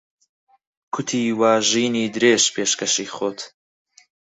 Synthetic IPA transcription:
kʰʊt̪ʰiːwaːʒiːniːd̪ɨɾeːʒpʰeːʃkɐʃiːχoːt̪

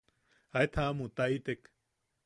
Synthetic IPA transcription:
aet̪ʰaamũt̪ait̪ek

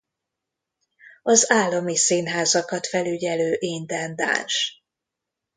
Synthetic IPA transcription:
ɒzaːlːɒmisiːnɦaːzɒkɒt̪fɛlyɟɛløːʔeːnd̪ɛnd̪a̰ːnʃ

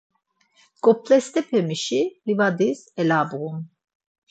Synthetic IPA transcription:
ɡ̥ʼɔpʰlɛst̪ɛpʰɛmiʃilivad̪izɛlaːbuɣun

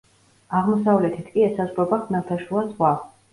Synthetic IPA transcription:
aʁmɔsavlɛt̪ʰit̪ʰkʼiɛsazʁɾɔbaχnaɾt̪ʰaʃulˠazʁwa

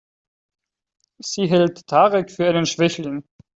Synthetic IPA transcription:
z̥iːɦɛltʰːaːʁɛkfyːɐʔaɪnənʃv̥ɛçlɪn

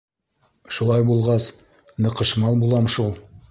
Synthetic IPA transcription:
ʃulˠɑjbulˠʁɑs | nɤ̆qɤ̆ʃmɑlˠbulˠɑmʃulˠ

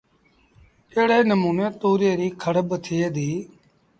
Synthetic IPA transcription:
eːɽeːnəmuːneːt̪oːɾeːɾiːkʰəɽəbt̪ʰɪeːd̪iː

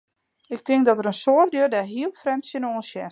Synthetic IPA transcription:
ɪk̚tʰɪŋk̚dɔtəɾənsoərdøːdɛɦiəlˠfrɛmsjənoːənsjɛ

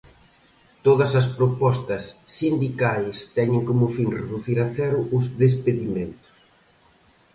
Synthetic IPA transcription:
t̪oðɐsɐspɾopɔst̪ɐsːind̪ikajst̪ɛɲɪŋkomʊfinreðuθiɾɐθɛɾʊʔʊzðespeðimẽnt̪ʊ̥s

